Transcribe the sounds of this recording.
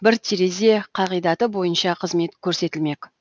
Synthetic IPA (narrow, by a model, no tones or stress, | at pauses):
bɪɾt̪ʰiɾe̞ze̞qʰɑʁijd̪ɑt̪əbo̞jənʃɑqʰəzme̞t̪kʲʰɵɾse̞t̪ɪlme̞k